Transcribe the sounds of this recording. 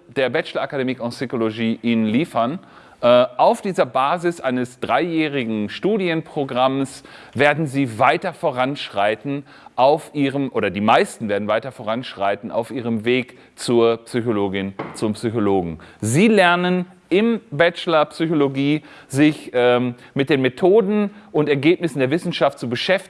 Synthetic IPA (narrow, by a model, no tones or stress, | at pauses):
d̥eːɐbɛt͡ʃlɐʔakademikʊntsykoloɡiːʔɪnliːfɐn | ʔɛʔaʊfd̥iːzɐbaːzɪsʔaɪnəsd̥ʁaɪjɛːʁɪɡŋ̩ʃtuːdjənpʁ̥oɡʁamsveːɐdn̩ziːvaɪtɐfoːʁ̞anʃʁ̥aɪtn̩ | ʔaʊfʔiːʁəmʔoːɾɐdiːmaɪstn̩veːɐdn̩vaɪtɐfoːʁ̞anʃʁ̥a̰ɪtn̩a̰ʊfʔiːʁ̞əmveːk | t͡suːɐpsyçoloːɡɪnt͡sʊmpsyçoloːɡŋ̩ziːlɛɐnən | ʔɪmbɛt͡ʃlɐpsyçoloɡiː | zɪçʔɛː | mɪt̚d̥eːnmetʰoːdn̩ʔʊntɛɐɡeːpnɪsn̩deːɐvɪsn̩ʃaft̚t͡subəʃɛft